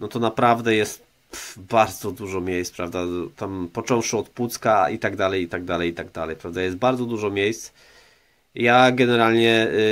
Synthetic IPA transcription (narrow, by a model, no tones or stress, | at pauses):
nɔt̪ɔnapɾavd̪ɛjɛst̪̚ | baɾd̪zɔd̪uʐɔmʲjɛjspɾavd̪at̪ampɔt͡ʂɔ̃w̃ʂɨɔt̪put̪skait̪aɡd̪alɛjit̪aɡ̚d̪alɛjit̪aɡd̪alɛjpɾavd̪ajɛst̪̚baɾd̪zɔd̪uʐɔmʲjejst̪s | jaɡɛnɛɾalɲɛ